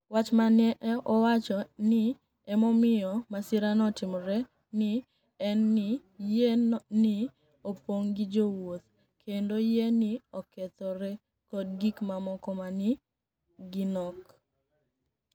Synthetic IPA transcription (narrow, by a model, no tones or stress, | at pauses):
wat͡ʃmanɛʔɛʔɔwat͡ʃɔnɪ | ɛmɔmɪjɔmasɪɾanɔtɪmɾɛ | nɪ | ɛnːɪjɛnɪ | opoŋɡɪd͡ʒowot̪ | kʰendojɛnɪɔkɛt̪ɔɾɛ | kɔdɡikmamɔkɔmanɪ | ɡɪnɔk